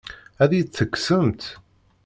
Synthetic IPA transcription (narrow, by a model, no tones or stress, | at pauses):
æðijθːəkːsəmt̪